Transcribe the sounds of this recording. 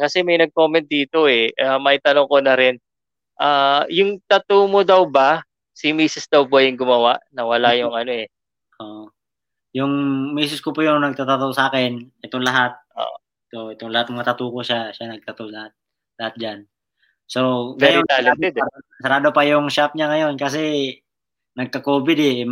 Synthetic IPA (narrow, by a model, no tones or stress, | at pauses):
kɐsɛmɐjnɐɡ̚ko̞ːmɛnt̪̚d̪iːt̪o̞ʔɛʔaːmɐjt̪ɐnoŋko̞nɐɾɪn | ʔaːjʊŋt̪ɐt̪omod̪ɐwbɐ | sɪmiːsɪsd̪ɐwpojʊŋɡʊmɐwaʔnɐwɐlajʊŋʔɐno̞ɛ | ʔoʔ | jʊŋmiːsɪskopʊjʊŋnɐɡ̚t̪at̪ɐt̪osʔaːkɛnʔɛt̪oŋlɐɦat̪̚ʔo̰ːʔʔɛt̪oʔɛt̪oŋlɐat̪̚mɐŋɐt̪ɐt̪uːkoʃaʃanɐɡ̚t̪ɐt̪olɐhat̪̚ | lɐhat̪̚d͡ʒan | soŋɛjot̪aːlɪt̪ɛd̪ | sɐɾaːd̪opɐjʊŋʃap̚ɲaŋɐjo̞nkɐs̬ɛ | nɐɡ̚kɐkoːbɪd̪ɛ